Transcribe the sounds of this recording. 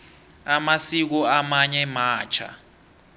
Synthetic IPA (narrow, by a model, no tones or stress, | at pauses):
amasik̬ɔamaɲɛmaːt͡ʃʰa̰